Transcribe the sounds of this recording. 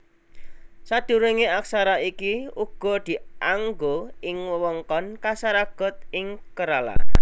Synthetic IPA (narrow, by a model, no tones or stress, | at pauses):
sad̥uɾeŋeak̚saɾaikiuɡ̥ɔ̤d̪̥i̤ʔaŋɡoɪŋwəwɔŋkɔnkasaɾaɡ̥ɔ̤t̪̚ɪŋkəɾala̰